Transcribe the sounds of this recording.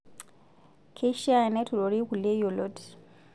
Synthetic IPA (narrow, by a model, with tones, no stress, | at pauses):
kʰe˦ʃi˦a˦˨nɛ˦tʰu˨lo˨ɾi˦ku˨le˦jɔ˨lɔ˦d